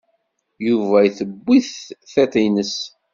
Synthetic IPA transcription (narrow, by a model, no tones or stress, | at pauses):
juvæjθəbːiθθæt̪ˤinəs